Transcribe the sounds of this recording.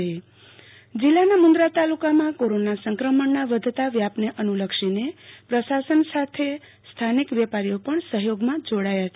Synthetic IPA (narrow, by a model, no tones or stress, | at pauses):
e | d͡ʒilːanamʊnd̪ɾat̪alukamãkoɾonasəŋkɾəməɳːaʋəd̪ʱt̪aʋjapneʔənuləkʃinepɾəsasənsat̪ʰe | st̪ʰanikʋjɛpaɾijopəɳsəɦjoɡmãd͡ʒoɽajat͡ʃʰ